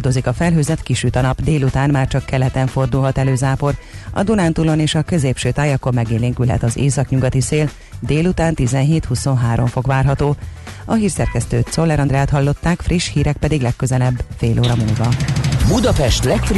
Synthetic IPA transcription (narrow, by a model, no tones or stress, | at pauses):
d̪o̞zikɒfɛlɦøːzɛt̪kiʃyt̪ɒnɒbd̪eːlut̪aːnmaːrt͡ʃɒkːɛlɛt̪ɛɱfo̞rd̪ulɦɒt̪ɛløːzaːpo̞rɒ̰d̪unaːnt̪ulo̞neːʃɒkø̞zeːpʃøːt̪aːjɒkommɛɡeːleːŋkylɦɛ̰t̪ɒzḛːsɒkɲuɡɒt̪iseːl | d̪eːlut̪aːnt̪izɛnɦeːt̪huso̞nɦaːɾo̞ɱfo̞kʋaːrɦɒt̪oː | ɒɦiːrsɛrkɛst̪øːt̪so̞lːɛɾɒnd̪rɛaːt̪hɒlːo̞t̪ːaːkfriʃhiːɾɛk̚pɛd̪iɡlɛkːøzɛlɛbːfeːlʔoːɾɒmulvɒbud̪ɒpɛʃt̪lɛkfr